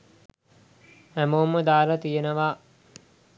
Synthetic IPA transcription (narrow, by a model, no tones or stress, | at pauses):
æmowməd̪aːɾət̪ijenəʋaː